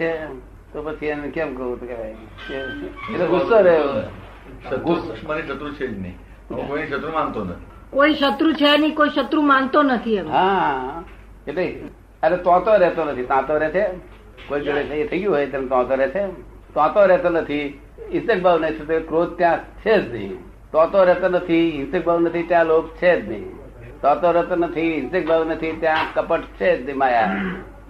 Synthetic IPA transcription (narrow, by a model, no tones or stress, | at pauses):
t͡ʃʰe | t̪opət͡ʃʰienkɛmkot̪kebaj | keet̪usəɾe | ʃət̪umaɾiʃət̪ɾut͡ʃʰed͡ʒnḭ | okoiiʃət̪ɾumant̪onət̪ʰi | koiʃət̪ɾut͡ʃʰɛnikoiʃət̪ɾumãnt̪onət̪ʰiemɦãɦaã | et̪e | əɾet̪ãt̪oɾɛt̪onət̪ʰit̪ãːt̪oɾɛt͡ʃʰe | koid͡ʒoɽet͡ʃʰeet̪ʰəɡjũɦoːjet̪ãnet̪ɔ̃ːt̪oɾɛt͡ʃʰe | t̪ãt̪oɾɛɦt̪onət̪ʰi | ɪ̃nsek̚bʱaʋnət̪ʰet̪okɾoːd̪̚t̪jãt͡ʃʰed͡ʒd̪ḭ̃ | t̪ɔ̃ːt̪oɾɛɦt̪onət̪ʰiɦɪ̃nsek̚baːʋnət̪ʰit̪jãloːkt͡ʃʰed͡ʒnḭ̃ | t̪ɔ̃t̪oɾɛɦt̪onət̪ʰiɦɪ̃nsek̚baʋnət̪ʰit̪jãkəpəʈt͡ʃʰed͡ʒd̪imaːja